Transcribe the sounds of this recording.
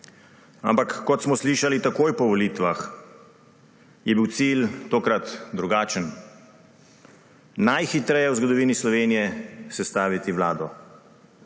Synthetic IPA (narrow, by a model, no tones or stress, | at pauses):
a̰mpakːɔt̪smɔsliːʃalit̪akoːjpɔʋɔlit̪ʋax | jɛbiwt̪silt̪oːkɾat̪d̪ɾuɡaːt͡ʃən | najxit̪ɾɛjɛwzɡɔd̪ɔʋiːnislɔʋeːnijɛsɛst̪aːʋit̪iʋlaːd̪ɔ